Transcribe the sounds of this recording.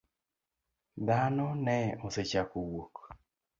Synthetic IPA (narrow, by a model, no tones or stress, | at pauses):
d̪anɔnɛoset͡ʃakowok